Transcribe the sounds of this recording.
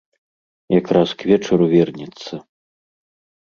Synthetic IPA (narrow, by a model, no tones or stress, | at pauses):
jakɾaskvʲɛt͡ʂɐɾuvʲɛrnʲɛt̪sːɐ